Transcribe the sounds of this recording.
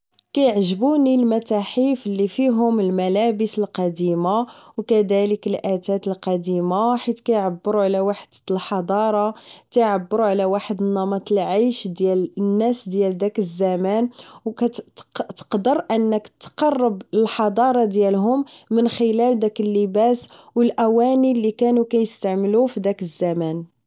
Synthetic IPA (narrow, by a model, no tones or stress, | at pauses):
kæjəʕʒəbunilmæt̪aħifəlːifiɦʊməlmælæbəsəlqɑd̪imawkæd̪æləkəlʔæt̪æt̪əlqɑd̪imaħit̪kæjʕabːəɾuʕlæwaħəd̪̥lħɑd̪ˤɑɾˤɑt̪æjʕabːəɾuʕlæwaħəd̪nːɑmɑt̪ˤəlʕajʃd̪jælnːæsd̪jæld̪ækəzːæmænwkæt̪ə̥qd̪əɾˤʔənːəkt̪ːqɑrˤːəbəlħɑd̪ˤɑɾˤɑd̪jælɦʊmːənxəlæld̪ækəlːəbæswəlʔæwænilːikænukæjəst̪aʕməlufid̪ækəzːæmæn